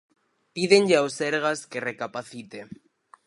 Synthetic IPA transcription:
piðenʎeawseɾɣaskerekapaθit̪e

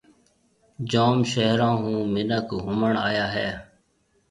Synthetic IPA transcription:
d͡ʒaːmʃəɦɾãːɦũːmɪnəkɦʊməɳaːjaːɦɛː

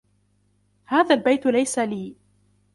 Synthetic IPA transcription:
haːðaːlbajt̪lajsaliː

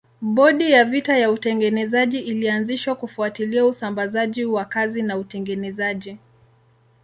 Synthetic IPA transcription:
ɓɔɗijavitajautɛŋɡɛnɛzaʄiʔilianziʃwakufuatiliausambazaʄiwakazinautɛŋɡɛnɛzaʄi

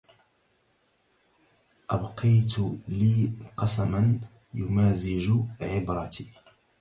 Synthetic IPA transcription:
ʔabqʰɑjt̪liːqɑsaman | jʊmaːzɪd͡ʒʕɪbɾˤɑt̪iː

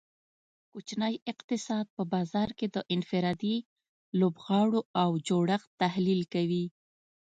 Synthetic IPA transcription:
kot͡ʃnəjɪqt̪ɪsɑd̪̚pəbɑzɑɾked̪əʔɪnfɪɾɑd̪i | lobɣɑɽoawd͡ʒoɽaxt̪ahlilkawi

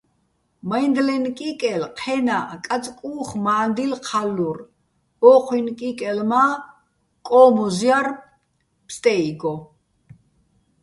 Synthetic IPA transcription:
majnd̪lɛnkʼikʼɛlqʰɛnakʼat͡sʼkʼuːχmaːnd̪ilqʰalːur | ɔqʰwinkʼikʼɛlma | kʼɔːmɔzjar | pʰst̪ʼɛiɡɔ

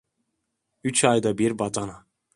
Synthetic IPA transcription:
yt͡ʃʰajd̪abiɾbat̪ana

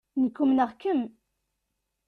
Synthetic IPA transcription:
nəkːumnəʁkən

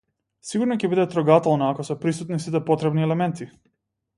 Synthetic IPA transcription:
siɡuɾnɔcɛbid̪ɛt̪ɾɔɡat̪ɛlˠnaːkɔsɛpɾisut̪nisit̪ɛpɔt̪ɾɛbniɛlɛmɛnt̪i

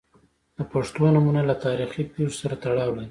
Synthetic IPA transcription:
d̪̥əpaʂt̪onamunalat̪ɑɾixipizsaɾat̪aɽɑwlaj

